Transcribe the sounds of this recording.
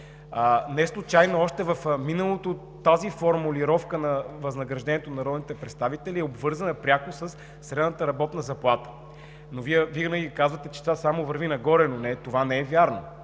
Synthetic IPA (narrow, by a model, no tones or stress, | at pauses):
ənɛɛslˠʊt͡ʃajnoɔʃt̪ɛvəfminəlˠot̪o | t̪ːazifoɾmuliɾɔfkənɐvɐznɐɡɾɐʒd̪ɛnʲiɛt̪onɐɾɔd̪nit̪ɛpɾɛt̪st̪avit̪ɛliɛobvɤɾzənəpɾʲjakʊsəsː | ɾɛd̪nət̪əɾɐbɔt̪nəzɐplˠat̪ə̥ | noviɛviɡnəɡiikazvət̪ɛt͡ʃɛ̥t̪vasamovɐɾvinɐɡɔɾɛnonɛt̪ovanɛɛvʲjaɾno